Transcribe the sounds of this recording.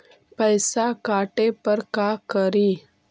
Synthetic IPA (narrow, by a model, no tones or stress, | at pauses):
pɛɪsakaːʈepɐɾkaːkəɾiː